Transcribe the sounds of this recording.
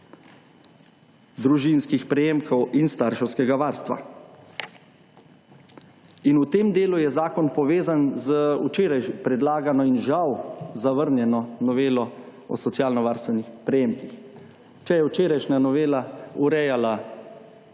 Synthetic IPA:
d̪ɾuʒinskixpɾɛjeːmkɔwinst̪aɾʃɛwskɛɡaʋaːɾst̪ʋa̰ | inut̪eːmd̪eːlujɛzaːkɔnpɔʋeːzanzəut͡ʃeːɾajpɾɛd̪laːɡanɔinʒawzaʋəɾnjɛnɔnɔʋeːlɔ | ɔ̰sɔt̪sjaːlnɔʋaːɾst̪ʋɛnixpɾɛjeːmkix | t͡ʃɛjɛwt͡ʃeːɾajʃnʲanɔʋeːlauɾɛjala

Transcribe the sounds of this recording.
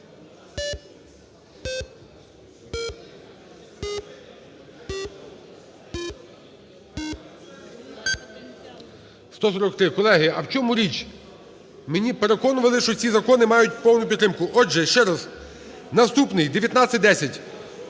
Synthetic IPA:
st̪ɔsɔɾɔk̚t̪ɾɪkɔlˠɛɦɪɐwt͡ʃɔmʊɾʲit͡ʃʲ | menʲipeɾe̞kɔnʊʋɐlˠɪʃt͡ʃɔsʲizɐkɔnɪmɑjʊt̚ʲpɔwnʊpʲid̪t̪ɾɪmkʊʔɔʒɛʃt͡ʃɛɾɐz | nɐst̪upnɪjd̪eʋʲjɐt̪nat͡sʲsʲɪt̚ʲd̪ɛsʲɐtʲ

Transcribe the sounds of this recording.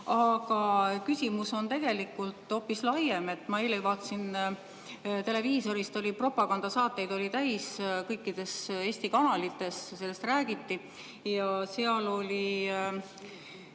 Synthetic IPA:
ɑɡ̥ɑkysʲimuso̞nt̪e̞ɡ̥e̞likːˑult̪ˑo̞ːpːˑislɑjeme̞t̪ːˑmɑeːlejvɑːt̪ːˑsin | t̪e̞le̞viːso̞ɾist̪o̞lʲipro̞pːɑɡ̥ɑnd̪̥ɑsɑːt̪ˑːe̞jd̪̥o̞lʲit̪æjskɤjkːˑid̪̥e̞se̞ːsʲt̪ikɑnɑlit̪ːe̞sse̞lːe̞st̪ræːɡ̥it̪ːi | jɑse̞ɑlo̞lʲi

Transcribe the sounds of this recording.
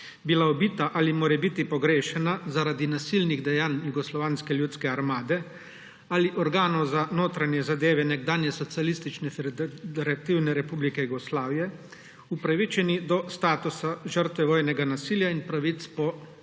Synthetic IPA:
bilaɔbiːt̪aʔalimoːɾɛbit̪ipɔɡɾeːʃɛnazaɾaːd̪inasilniɣd̪ɛjaːnjuɡɔslɔʋaːnskɛljuːt̪skɛaɾmaːd̪ɛ | aliʔɔɾɡaːnɔwzanoːt̪ɾanjɛzad̪eːʋɛnɛɡd̪aːnjɛsɔt̪sialist̪it͡ʃnɛfd̪ɛɾat̪iwnɛɾɛpublikɛjuɡɔslaːʋijɛ | upɾaʋit͡ʃɛnid̪ɔst̪aːt̪usaʒəɾt̪ʋɛʋoːjnɛɡanasiːljainpɾaʋit̪spɔ

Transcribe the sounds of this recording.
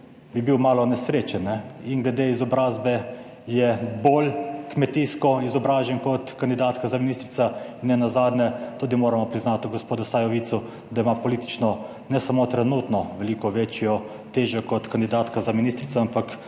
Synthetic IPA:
bibiwmaːlɔnɛsɾeːt͡ʃɛnːɛiŋɡlɛd̪eizɔbɾaːzbɛ | jɛboːlkmɛt̪iskɔizɔbɾaːʒɛnkɔt̪kand̪id̪aːt̪kazaminiːst̪ɾit̪sainːɛnazaːd̪nʲɛt̪ud̪imoːɾamɔpɾiznaːt̪uɡɔspoːd̪ʊsajɔʋit̪su | d̪aimapɔliːt̪i̥t͡ʃnɔ | nɛsamot̪ɾɛnut̪nɔʋɛliːkɔʋet͡ʃjɔ | t̪eːʒɔkɔt̪kand̪id̪aːt̪kazaminist̪ɾit̪sɔampak

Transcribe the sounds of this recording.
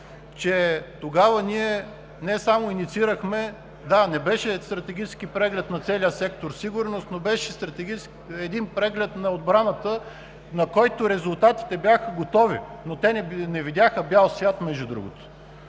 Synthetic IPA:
t͡ʃɛt̪oɡavəniɛ | nɛsamoinit̪siɾəxmɛ | d̪anɛbɛʃɛst̪ɾɐt̪ɛɡʲit͡ʃɛ̥skipɾɛɡlɛt̪nɐt̪sɛliəsɛkt̪oɾsiɡʊɾnost̪nobɛʃɛst̪ɾɐt̪ɛɡi | ɛd̪inpɾɛɡlɛt̪nɐod̪̚bɾanət̪ə | nɐkɔjt̪oɾɛzʊlˠt̪at̪i̥t̪ɛbʲjaxəɡot̪ɔvḭnot̪ɛnnɛvid̪ʲaxəbjalˠsvʲjat̪mɛʒd̪ud̪ɾṵɡo̰t̪o̥

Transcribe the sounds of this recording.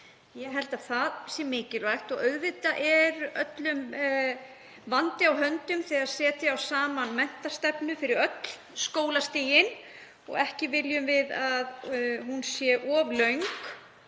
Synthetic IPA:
jɛɦɛl̥t̪aðθaðsjɛmɪːcɪlɔajht̪ɔɣœɥðvɪt̪aʔɛɾʔœt̪lʏm | vant̪ɪawɦœnt̪ʏmθɛaðsɛːt̪ɪawsaːmanmɛn̥t̪ast̪ɛpnʏfɪɾɪɾœt̪l̥ | skoːwlast̪ɪːjɪn | ɔ̰ɣɛhcɪvɪljʏmvɪðaðhunsjɛʔɔvlœɥŋk

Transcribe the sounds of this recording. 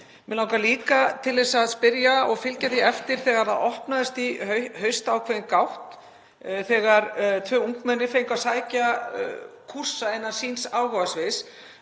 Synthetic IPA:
mɛlawŋkaliːkat̪ʰɪlðɛsaðspɪɾjaɔɣfɪlcaθiɛft̪ɪɾ̥θɛːɣaɾ̥θaðɔhpnaðɪst̪iœhœɥst̪aːwkʰvɛðɪnkawht̪ | θɛːɣaɾt̪ʰvœːuŋkmɛnːɪfejŋkasaːjca | kʰur̥saɛnːḁsinsaːwɣɔvasvɪs

